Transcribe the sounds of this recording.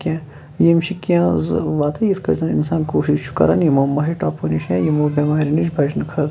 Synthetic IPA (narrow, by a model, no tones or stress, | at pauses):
kʲjãː | jimʃikjãːzʋaːt̪ʰɐjiskɐɾzʰɐnḭnsãːnkoːʃiʃt͡ʃʰu̥kɐ̰ɾɐnjimoːmɐɦiʈaːponiʃãːjimoːbʲemaːɾiniʃ̬bʱɐd͡ʒnkʰɐɾt̪